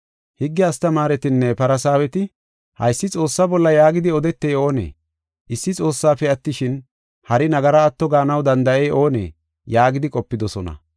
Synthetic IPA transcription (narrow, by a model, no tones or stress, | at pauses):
hɪɡːɪɐst̪ɐmaːɾɛt̪ɪnːɛpɐɾɐsaːwɛt̪ɪ | hɐ̰jsːɪt͡sʼo̞ːsːabɔlːɐjaːɡɪd̪ɪɔd̪ɛt̪ːɛjo̞ːnḛː | ɪsːɪt͡sʼo̞ːsːaːfɛɐt̪ːɪʃɪn | hɐɾɪnɐɡɐɾɐːt̪ːɔɡaːnɐwd̪ɐnd̪ɐʔɛjʔoːnḛː | jaːɡɪd̪ɪkʼɔpːɪd̪ɔsɔnɐ̰